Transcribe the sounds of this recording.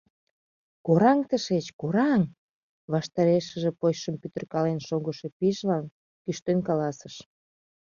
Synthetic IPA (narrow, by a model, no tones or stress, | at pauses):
koɾɑŋt̪əʃet͡ɕkoɾɑŋ | βɑʃt̪ɑɾeʃəʒepojʃəmpyt̪ə̆rkɑlenʃoɣəʃe̽piʒlɑn | kyʃt̪enkɑlɑsəʃ